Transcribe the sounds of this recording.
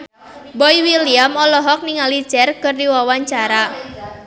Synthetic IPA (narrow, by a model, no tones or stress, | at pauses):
bɔiwiliamɔlɔɦɔk̚niŋalit͡ʃɛrkɨrdiwawaɲt͡ʃaɾa